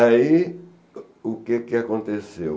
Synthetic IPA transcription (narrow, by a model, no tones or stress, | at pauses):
ai | ʊkekɪakõnt̪esew